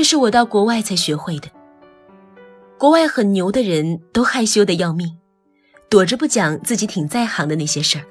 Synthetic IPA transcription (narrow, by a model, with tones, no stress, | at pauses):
ʂɻ̩˥˩wɔ˨˩t̪ɑ˥˩ʊkwɔ˧˥wa˥˩ɪt͡sʰa˧˥ɪɕɥɛ˧˥xwe˥˩ɪd̪ə˩ | kwɔ˧˥wa˥˩ɪxə˨˩nnjo˧˥ʊd̪ə˧ɻə˧˥nt̪o˥ʊxa˥˩ɪɕjo˥ʊd̪ə˨jɑ˥˧ʊmi˥˩ | t̪wɔ˨˩ʈ͡ʂɻ̩˥p̬u˥˩t͡ɕjɑ˨˩ŋt͡sɹ̩˥˩t͡ɕi˧˥t̪ʰi˨˩ŋt͡sa˥˩ɪxɑ˧˥ŋd̪ə˧na˥˩ɪɕjɛ˥ʂə˞˥˩